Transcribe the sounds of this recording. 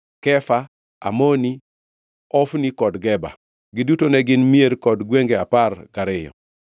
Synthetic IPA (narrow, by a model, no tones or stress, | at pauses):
kɛfa | a̰moni | ɔfnikɔdɡɛba̰ | ɡɪdutonɛɡɪnmieɾkɔdɡweŋɡeaparkaɾɪjɔ̰